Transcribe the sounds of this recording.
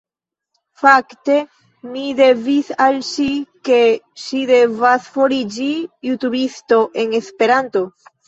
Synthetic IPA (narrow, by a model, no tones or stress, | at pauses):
fakte̞ | mide̞visalʃike̞ʃide̞vasfo̞ɾid͡ʒijutubisto̞ʔe̞ne̞spe̞ɾanto̞